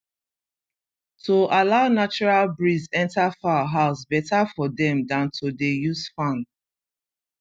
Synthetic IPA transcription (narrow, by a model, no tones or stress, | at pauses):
tʰoʔalaʊnat͡ʃɔɹalbɹizɛ̃ntafaɦaʊsbɛtafɔdɛ̃mdãntʰodejuzfãn